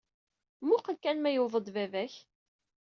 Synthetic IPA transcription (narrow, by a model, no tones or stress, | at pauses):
mʊqəlkænmæjʊðˤəd̪vævæç